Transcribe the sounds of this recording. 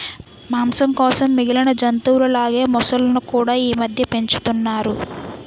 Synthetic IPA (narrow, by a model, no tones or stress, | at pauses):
maːmsɐmkɔːsɐmːiɡilɐnɐd͡ʒɐnt̪uːɾɐlaːɡe̞ːmɔsɐlɐnukuːɽaːiːmɐd̪ʱjɐpe̞ɲt͡ʃu̥t̪unːaːɾu